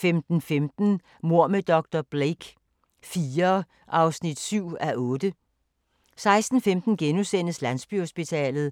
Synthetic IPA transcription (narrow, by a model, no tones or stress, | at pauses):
femd̥n̩femd̥n̩ | mo̝ɐ̰med̥ɒ̽ɡ̥̚d̥ɐb̥ʁeɡ̥ | fiːɐ | ʔɑ̈ʊsnid̥syʊ̰æʔɔ̽ːd̥ə | sɑ̈ɪsd̥n̩femd̥n̩ɡ̥enusen̰əslæn̰sb̥yho̝sb̥it͡sʰɛ̰ːlð̩ˠ